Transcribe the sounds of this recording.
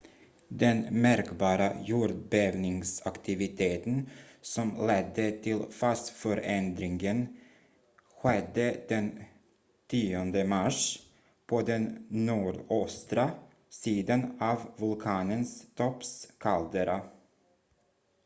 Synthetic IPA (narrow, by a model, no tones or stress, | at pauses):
d̪ɛnmæɾkbɑːɾajuːɾɖbevnɪŋsakt̪ʰɪvɪt̪ʰeːt̪ənsɔmlɛd̪ːət̪ʰɪlfast̪fœɾɛnd̪ɾɪŋɡən | ɧɛd̪ːəd̪ɛn | t̪ʰiːɔnd̪əmaʂ | pʰɔd̪ɛnːuːɖɔst̪ɾa | siːd̪anɑvvɵlkʰɑːnənst̪ʰɔpskʰald̪əɾa